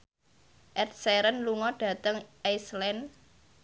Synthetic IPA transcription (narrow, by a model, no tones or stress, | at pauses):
ʔɛt̪̚sɛɾənluŋɔɖ̥ä̤t̪əŋʔajslɛn